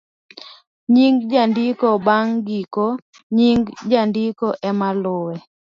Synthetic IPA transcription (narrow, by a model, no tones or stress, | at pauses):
ɲiŋɡd͡ʒandikobaŋɡiko | ɲiŋɡd͡ʒandikɔʔɛmalʊwɛ